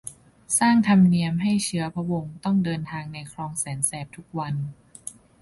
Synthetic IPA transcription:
saː˥˩ŋt̪ʰa˧mni˧əmɦa˥˩jt͡ɕʰɯ˦˥ɐpʰɾa˧wo˧ŋt̪ɔ˥˩ŋdɤː˧nt̪ʰaː˧ŋna˧jkʰɾɔː˧ŋsɛː˩˦nsɛː˨˩p̚t̪ʰu˦˥k̚wa˧n

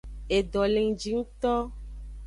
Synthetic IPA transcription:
e˨ɖɔ˨le˨ŋ̩˨d͡ʒi˦ŋ̩˦t̪ɔ˦

